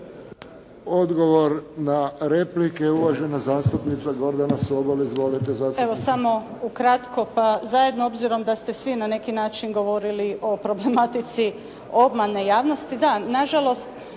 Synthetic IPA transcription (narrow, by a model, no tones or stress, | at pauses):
od̪ɡo̞ʋo̞ɾnaɾe̞plikeuʋaʒe̞nazaːst̪upnit̪saɡo̞ɾd̪anasuobaliizʋo̞lit̪ezaseʋosamo̞ | ukɾat̪ko̞pazaje̞d̪noo̞bziɾo̞md̪ast̪e̞sʋinane̞kinaːt͡ʃinɡo̞ʋo̞ɾiliʔo̞pɾo̞ble̞mat̪it̪si | o̞bmane̞jaːʋno̞st̪id̪anaʒalo̞st̪